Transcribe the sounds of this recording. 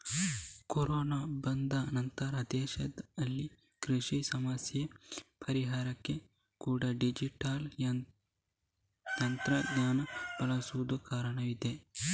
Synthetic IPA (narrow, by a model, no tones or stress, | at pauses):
koɾoːnabɐnd̪ɐnɐnt̪ɐɾɐd̪ɛːʃɐd̪ɐlːi | kɾiʂisɐmɐsjepʰɐɾiɦaːɾɐkːe | kuːɽɐɖid͡ʒiʈaːlɐ | j̪ɐnt̪ɾɐɡɲaːnɐb̥ɐlɐsuʋud̪ukaːɾɐɳɐʋid̪e